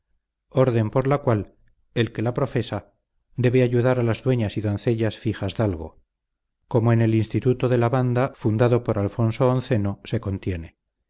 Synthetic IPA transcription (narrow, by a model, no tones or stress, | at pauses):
o̞ɾðe̞mpo̞ɾlakwal | e̞lke̞lapɾo̞fe̞sa | d̪e̞βe̞aʝuðaɾalazðwe̞ɲasiðo̞nθe̞ʎasfiχazðalɣo̞̰ | ko̞moene̞linst̪it̪ut̪oðe̞laβand̪afund̪aðo̞po̞ɾalfo̞nsoːnθe̞no̞se̞ko̞nt̪je̞ne̞